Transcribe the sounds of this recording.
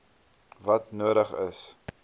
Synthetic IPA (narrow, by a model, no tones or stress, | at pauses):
vɐtnuəɾəχə̰s